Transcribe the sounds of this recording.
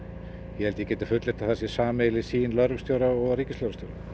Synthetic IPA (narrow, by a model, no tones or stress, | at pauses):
jɛhɛlt̪ɪcɛːt̪afʏt̪lɪɾt̪aθɛsːɪ̥saːmejlɪsiːnlœɾvst̪jowɾaɔɣɾiːcɪsowɾat̪jowɾa